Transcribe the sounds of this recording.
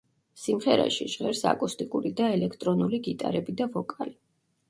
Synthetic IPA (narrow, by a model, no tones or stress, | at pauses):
simχɛɾa̰ʃiʒʁɛɾsa̰kʼust̪ʼikʼuɾid̪aɛlɛkʰt̪ʼɾɔnuliɡit̪ʼa̰ɾɛbid̪avɔkʼali